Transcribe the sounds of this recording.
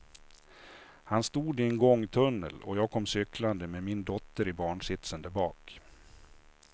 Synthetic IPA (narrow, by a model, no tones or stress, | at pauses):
hanst̪uːd̪ɪɛnɡɔŋːt̪ʰɵnːə̰lɔ̰jɑːɡ̚kʰɔmːsʏkʰland̪əmeːmɪnd̪ɔt̪ːəɾɪbɑːɳʂɪt̪sənd̪əbɑːk